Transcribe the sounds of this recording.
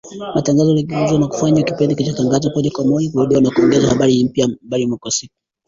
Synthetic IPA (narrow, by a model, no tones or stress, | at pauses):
mataŋɡazɔliɡɛuzwanaku̥faɲakipɛndikit͡ʃataŋɡazakɔʄakwamɔjakuɾuɗiwanakuɔŋɡɛzahaɓaɾihim̩pjaɓaɾimwakwasik̚u